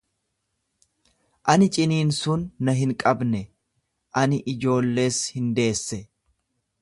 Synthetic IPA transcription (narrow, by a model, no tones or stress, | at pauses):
ʔɐnɪt͡ʃʼɪniːnsʊnːɐɦɪŋkʼɐbnɛ | ʔɐnɪʔɪd͡ʒo̞ːlːe̞ːshɪnd̪e̞ːsːɛ